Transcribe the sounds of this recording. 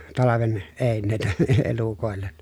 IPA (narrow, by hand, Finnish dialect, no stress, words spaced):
tɑlɑʋen eˑinːeˑitæ e elukoˑelːen